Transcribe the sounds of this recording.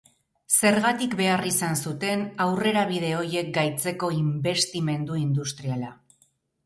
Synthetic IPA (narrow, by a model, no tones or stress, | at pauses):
se̞ɾɣat̪ikbe̞arisansut̪e̞nawre̞ɾaβið̞e̞o̞je̞k̚ɡajt͡se̞ko̞imbe̞st̪ime̞nd̪uind̪ust̪ɾiala